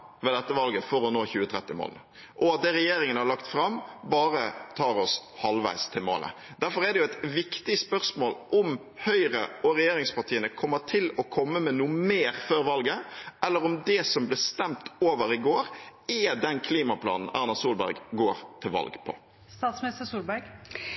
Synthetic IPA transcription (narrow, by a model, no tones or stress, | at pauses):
ʋɛːd̪ɛt̪ːəʋɑlɡəfɔɾɔnoːçʉːət̪ʰɾɛt̪ːɪmo̰ːlnə | ʔɔɑt̪̚d̪ɛːɾɛjeːɾɪŋənəhɑɾɭɑkt̪fɾɑmbɑːɾət̪ʰɑːɾɔshɑlʋæ̰ɪst̪ʰɪlmo̰ːlə̰ | d̪̥æɾfɔɾɛd̪ɛjʊæɪt̪ʋɪkt̪ɪspœʁsmoːlʔʊm | hœʏɾəɔɾɛjeːɾɪŋspɑʈ̪ʰiːənəkʰɔmːət̪ʰɪlɔkʰɔmːəmɛnuːmeːɾføːɾʋɑlɡəʔɛlːəɾʊmd̪ɛsɔmblɪst̪ɛmt̪oːʋəɾɪɡoːɾɛd̪ɛnkʰliːmɑpʰlɑ̰ːnn̩æɾnɑsuːlbæ̰ɾɡɡoːɾt̪ʰɪlʋɑ̰lɡpʰɔ̰ | st̪ɑːt̪smnɪst̪əsuːlbæɾɡ